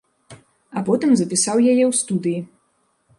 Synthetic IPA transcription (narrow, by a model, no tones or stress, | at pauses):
ɐpɔt̪ɨmzɐpʲisawjajɛwst̪ud̪ɨji